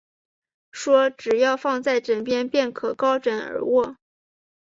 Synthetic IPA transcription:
ʂwɔ˥ʈ͡ʂɻ̩˨˩jɑ˥˧ʊfɑ˥˧ŋt͡sa˥˩ɪʈ͡ʂə˨˩ŋpjɛ˥npjɛ˥˩nkʰɤ˨˩kɑ˥ʊʈ͡ʂə˧˥nə̰˧˥wɔ˥˩

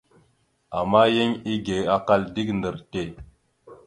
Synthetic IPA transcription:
a˨ma˦je˦ɲi˦ɡe˨a˦ka˦ldi˦kndə˨ɾte˦˨

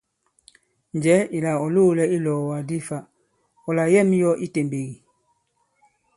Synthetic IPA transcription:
ɲ˨d͡ʒɛ˨˦i˨la˨ɔ˨lo˦lɛ˦i˦lɔ˨wa˨di˦fa˦ | ɔ˨la˨jɛ˦˨m˦jɔ˦ʔi˦te˨mbe˨ɣi˨

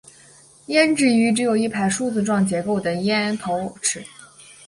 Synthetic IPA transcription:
jɛ˥nʈ͡ʂɻ̩˥˩y˧˥ʈ͡ʂɻ̩˧˥jo˨˩ʊi˥˩pʰa˧˥ɪʂu˥˧t͡sɹ̩˧ʈ͡ʂwɑ˥˩ŋt͡ɕjɛ˧˥ko˥˩ʊd̪ə˩jɛ˥nt̪ʰo˧˥ʊʈ͡ʂʰɻ̩˨˧˩

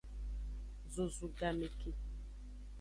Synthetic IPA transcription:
zo˨zu˨ɡa˨me˨ki˦

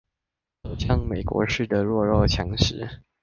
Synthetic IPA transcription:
o˨˩ʊɕʰjɑ˥˧ŋme˨˩ɪkwɔ̰˧˥ʂɻ̩˥˩d̪ə˩ɻwɔ˥˧ɻɔ˥˩t͡ɕʰjɑ˧˥ŋʂɻ̩˧˥

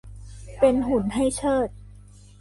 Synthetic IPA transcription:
pe˧nɦu˩˦nɦa˥˩jt͡ɕʰɤː˥˩t̪̚

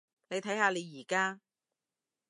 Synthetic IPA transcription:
ne˨˧jt̪ʰɐ˨˥jhaː˨˧le˨˧jjiː˨˩kaː˥

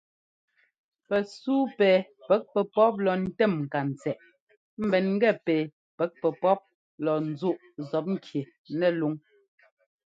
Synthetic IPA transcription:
pɛ˨suː˦pɛː˨ | pɛ˨˦k̚pɛ˨pɔ˦p̬̚lɔ˨n̩˦tɛ˦˨mŋ̩˨ka˨n̩˨t͡sɛ˨ʔ | m̩˦˨bɛ˨nŋ̩˦ɡɛ˦˨pɛː˨ | pɛ˨˦k̚pɛ˨pɔ˦p̚ | lɔ˨n̩˨˦zu˦ʔ | zɔ˨˦p̚ŋ̩˦kʰje˨ | nɛ˦˨lu˨˦ŋ

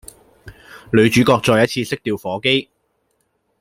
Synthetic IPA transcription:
lɵ˨˧ɥt͡ʃyː˨˥kɔː˧k̚t͡ʃɔː˧jɐ˥t̚t͡sʰiː˧sɪ˥k̚t̪iː˧wfɔː˨˥ke˥j

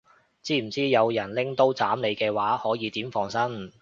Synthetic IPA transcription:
t͡siː˥m̩˨˩t͡siː˥jɐ˨˧wjɐ˨˩nlɪ˥ŋt̪o˥wt͡saː˨˥mle˨˧jkɛː˧waː˨˥hɔː˨˥jiː˨˧t̪iː˨˥mfɔː˧˩ŋsɐ˥n

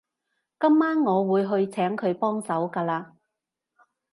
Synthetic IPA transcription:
kɐ˥mːaː˥nŋɔː˨˧wuː˨˧jɦɵ˧ɥt͡sʰɛː˨˥ŋkʰɵ˨˧ɥpɔː˥ŋsɐ˨˥wkaː˧laː˧

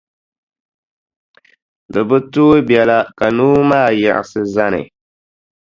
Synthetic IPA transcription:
dɨ˨bɨ˦tuː˦bɛ˨la˦ka˨nuː˦maː˦˨ja̰˨ʔɪ̰˨sɨ˦za˦nɨ̰˨

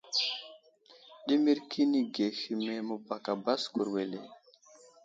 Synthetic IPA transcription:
ɗi˦mi˦ɾkʰi˦ni˦ɡe˨xi˨me˨mu˨ba˨ka˨ba˦sku˨ɾwe˨le˨

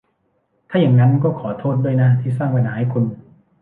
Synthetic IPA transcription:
t̪ʰaː˥˩ja˨˩ŋna˦˥nkɔː˥˩kʰɔː˩˦t̪ʰoː˥˩t̪̚du˥˩əjna˦˥t̪ʰiː˥˩s̬aː˥˩ŋpa˧naː˩˦˥jkʰu˧n

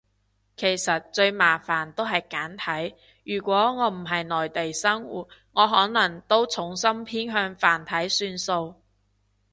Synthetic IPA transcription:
kʰe˨˩jsɐ˨t̚t͡ʃɵ˧ɥmaː˨˩faː˨˩nt̪o˥wɦɐ˨jkaː˨˥nt̪ʰɐ˨˥j | jyː˨˩kʷɔː˨˥ŋɔː˨˧m̩˨˩ɦɐ˨jnɔː˨˩jt̪e˨jsɐ˥ŋwṵː˨˩t̚ŋɔː˨˧ɦɔː˨˥nɐ˨˩ŋt̪o˥wt͡sʰʊ˨˥ŋsɐ˥mpʰiː˥nɦœː˧ŋfaː˨˩nt̪ʰɐ˨˥jsyː˧nso˧w

